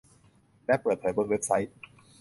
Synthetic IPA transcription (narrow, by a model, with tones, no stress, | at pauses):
lɛ˦˥pɤː˨˩t̪̚pʰɤː˩˦jwo˦˥t̪̚we˦˥p̚sa˦˥jt̪̚